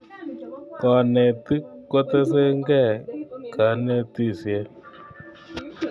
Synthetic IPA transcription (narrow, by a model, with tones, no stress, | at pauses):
kɔ˨ne˨ti˦ko˦te˦se˦ŋɡɛ˦˨ka˨˦ne˦t̪i˦˨si˨e˦